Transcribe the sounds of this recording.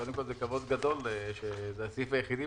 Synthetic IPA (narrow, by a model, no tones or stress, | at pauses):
od̪emko̞lzekavo̞d̪ɡad̪o̞leʃezeasifajeχid̪i